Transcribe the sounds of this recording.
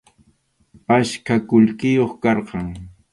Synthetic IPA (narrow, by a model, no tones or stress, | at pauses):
paʃkakʊʎkɪjoχkɑɾqɑŋ